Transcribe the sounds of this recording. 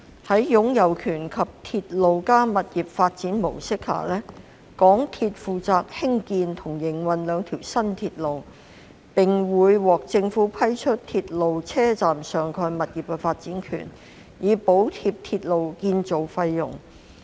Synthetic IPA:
hɐ˨˥jjʊ˨˥ŋjɐ˨wkʰyː˨˩nkʰɐ˨p̚t̪ʰiː˧t̚lo˨wkaː˥mɐ˨t̚jiː˨˩p̚faː˧t̚t͡siː˨˥nmo˨˩wsɪ˥k̚ha̰ː˨˩lɛː˥ | kɔː˨˥ŋt̪ʰiː˧t̚fuː˨t͡saː˨k̚hɪ˥ŋkiː˧nt̪ʰʊ˨˩ŋjɪ˨˩ŋwɐ˨nlœː˨˧ŋt̪ʰiː˨˩wsɐ˥nt̪ʰiː˧t̚lo˨w | pɪ˨˩ŋwuː˨˧jwɔː˨k̚t͡sɪ˧ŋfuː˨˥pʰɐ˥jt͡ʃʰɵ˥t̚t̪ʰiː˧t̚lo˨wt͡sʰɛː˥t͡saː˨msœː˨˩ŋkʰɔː˧jmɐ˨t̚jiː˨p̚kɛ˧faː˧t̚t͡siː˨˥nkʰy̰ː˨˩n | jiː˨˧po˨˥wt̪ʰiː˧p̚t̪ʰiː˧t̚lo˨wkiː˧nt͡so˨wfɐ˧jːʊ̰˨˩ŋ

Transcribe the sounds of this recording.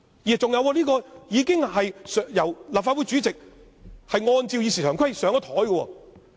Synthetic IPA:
jiː˨t͡sʊ˨ŋjɐ˨˧wkɔː˧liː˥kɔː˧jiː˨˧kɪ˥ŋɦɐ˨jsjɐ˨˩wlaː˨pfa˧t̚wu˨˥jt͡syː˨˥t͡sɪ˨k̚ | hɐ˨jŋɔː˧nt͡si˧wjiː˧si˨˩t̪ʰːkʰɐ˥jsœː˨˥ŋɔ˧˥t̪ʰɔː˨˥jɡɔ˧wɔ̰ː˧

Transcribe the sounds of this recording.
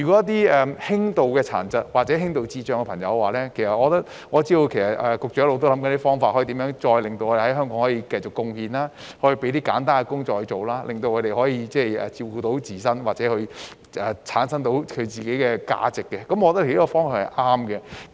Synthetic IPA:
yː˨˩kʷɔ˨˦˥ɐ˥t̪̬iː˥ɛː˨˧hɪ˥ŋt̪o˨wkɛː˧t͡sʰa̰ː˨˩nt͡sɐ˨t̚wa˨k̚t͡sɛ˨˥ɦɪ˥ŋt̪o˨˧wt͡siː˧t͡ʃœː˧ŋkɛ˧pʰɐ˨˩ŋjɐ̰˨˧˦wwaː˨˩lɛː˥kʰe˨˩sɐ˨t̚ʔɔː˨˧ɔ˧t̪ɐ˥t̚ | ŋɔː˨˧t͡siː˥d̪o˧wkʰe˨˩jsɐ˨t̚ɛ˨kʊ˨k̚t͡ʃœ˨˥jlo˨wt̪o˥wlɐ˨˥mkɐ˦n˥i˥fɔː˥ŋfaː˧t̚hjt̪i˨˥mjœː˧˥ŋt͡ʃɔː˧jlɪ˨ŋt̪o˧wɔː˨˧e˨˩hɐ˨˥jɦœː˥ŋkɔː˨˧˥ŋhɔː˨˧˥jiː˧kɐ˧jt͡ʃʊ˨kːʊ˧ŋhiː˧naː˥ | hɔː˨˥ji˧pe˨˥jt̪iː˥ka̰ː˨˥nt̪aː˥nkɛ˧kʊ˥ŋt͡ʃɔː˧k̚hɵ˧jt͡ʃo˨wlaː˥lʔɪ˨ŋt̪o˧wkʰːɾe˨jhɔː˨˥jiː˨˧t͡sɛː˥˩jɛ̰ː˨t͡siː˧wkuː˧t̪o˨˥wt͡siː˨˩sɐ˥nwaː˨k̚t͡sɛː˨˥hɵ˧ | ʔɛː˨˩t͡sʰaː˨˥nsɐ˥ŋt̪o˨˥wkʰɵ˨˧ɥt͡siː˨ke˨˥jkɛː˧ka̰ː˧t͡sɪ˨kːɛ˧kɐ˨˥mɔː˧t̪ːt̪ʰːiː˥kɔ˧fɔː˥ŋfa˨˩hɐ̰˨jʔaː˥mkɛ˧

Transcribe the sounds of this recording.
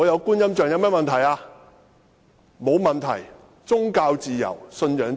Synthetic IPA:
ɔː˨˧jɐ˨˧wkuː˥njɐ˥mt͡ʃœː˨˩ŋjɐ˨˧wmɛː˥mɐ˨nt̪ʰɐ˨˩jaː˧ | mo˨˧wmɐ˨nt̪ʰɐ̰˨˩j | t͡sʊ˥ŋkaː˧wt͡siː˨jɐ̰˨˩wsɵ˧njœː˨˥ŋ

